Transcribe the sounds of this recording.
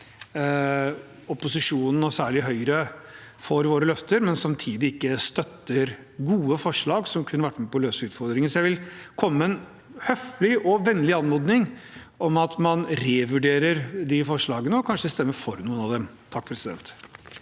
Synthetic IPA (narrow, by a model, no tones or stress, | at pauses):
ɔpʊsɪʂuːnn̩ɔsæːɭɪɦœʏɾəfɔɾʋoːɾəlœft̪əɾmɛnsɑmt̪ʰiːd̪ɪɪkːəst̪œt̪ːəɾ | ɡuːəfɔʂɭɑːɡsɔmkʰʉnːəʋæʈːmɛpɔløːsəʉːt̪fɔɾd̪ɾɪŋənsɔjæɪʋɪlkʰɔmːəɛn | hœflɪʔɔʋɛnːlɪɑnmɔd̪nɪŋ | ɔmɑt̪mɑnɾeːʋʉɖeːɾəɾd̪ɪfɔʂɭɑːɡənəɔkʰɑnʂəst̪ɛmːəɾfɔɾnuːənɑʋd̪ɛmt̪ʰɑk̚ːpʰɾɛsɪd̪ɛ̰nt̪